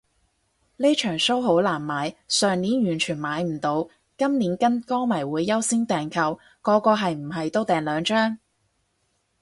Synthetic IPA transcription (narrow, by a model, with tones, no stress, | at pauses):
leː˥t͡ʃʰœː˨˩ŋso˥wɦo˨˥wlaː˨˩nmaː˨˧jsœː˨ŋniː˨˥njyː˨˩nt͡ʃʰyː˨˩nmaː˨˧jm̩˨˩t̪o˨˧w | kɐ˥mniː˨˥nkɐ˥nkɔː˥ŋmɐ˨˩jwuː˨˧jːɐ˥wsɪ˥ŋt̪ɛː˨ŋkʰɐ˨w | kɔː˨˧kɔː˧ɦɐ˨jm̩˨˩ɦɐ˨jt̪o˥wt̪ɛː˨nlœː˨˧ŋt͡ʃœː˥ŋ